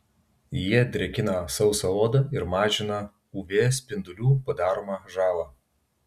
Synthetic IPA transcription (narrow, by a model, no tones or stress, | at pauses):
jiɛd̪ʲɾʲɛkʲɪnɐsɐʊsɐloːd̪ɐɪɾmɑːʒʲɪnɐ | uːʋʲeːsʲpʲɪnd̪ʊlʲuːpɐd̪ɑːɾoːmɑʒɑːlˠɑː